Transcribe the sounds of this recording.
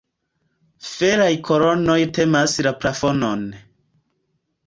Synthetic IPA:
feɾajkʰoɾono̞jte̞maslapɾafonon

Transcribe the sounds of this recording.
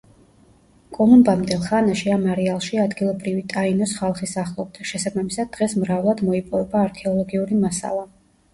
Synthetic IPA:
kʼɔlumbamnd̪ɛlˠχanaʃiamaɾialˠʃiad̪ɡilˠɔbɾivit̪ʼainɔsχalˠχisaχlˠɔbd̪aʃɛsabamisad̪̚d̪ːʁɛsmɾavlˠad̪mɔipʼɔvɛbaːɾkʰɛɔlˠɔɡiuɾimasa̰lˠa

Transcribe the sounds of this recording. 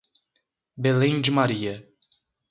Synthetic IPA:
belẽj̃d͡ʒɪmaɾiɐ

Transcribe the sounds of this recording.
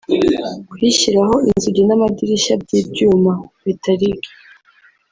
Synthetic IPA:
kwiɕiɾaɦo̞inzuɡinamadiɾiʃab̚ɟiːbjuːmaβitʰaɾiɡi̥

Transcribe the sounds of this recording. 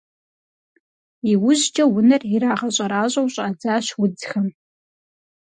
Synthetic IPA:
iwʊʑd͡ʒʼɐwʊnɐriɾaːʁɐɕʼɐɾaːɕʼɐwɕʼaːd͡zaːɕwʊd͡zxɐm

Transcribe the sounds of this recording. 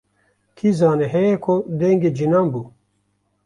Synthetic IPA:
kʰizaːneɦɛjekʰod̪eŋɡed͡ʒinaːmbuː

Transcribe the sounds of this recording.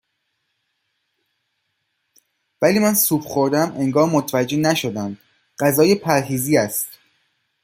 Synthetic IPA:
væliːmænsuːbxoɾd̪æmʔe̞ŋɡɒːɾmot̪ʰvæd͡ʒːe̞næʃo̞d̪æmd̪ | ɢæzɒːjepʰæɾɦiːziːæst̪

